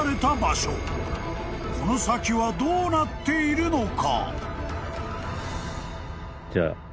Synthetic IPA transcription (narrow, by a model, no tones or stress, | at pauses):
ɾe̞t̪abaɕo | ko̞no̞sakʲiβad̪oːnat̪ːe̞iɾɯ̟no̞ka̰ | d͡ʑa̰